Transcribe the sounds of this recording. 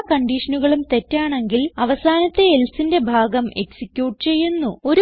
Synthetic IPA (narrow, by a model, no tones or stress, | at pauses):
kɐɳɖiːʂɐnuɣɐɭumt̪e̞tːaːɳe̞ŋɡilɐʋɐsaːnɐt̪ːe̞elsinde̞bʱaːɡɐme̞̰ksikkʲjuːʈɨt͡ɕe̞jːunːuo̞ɾ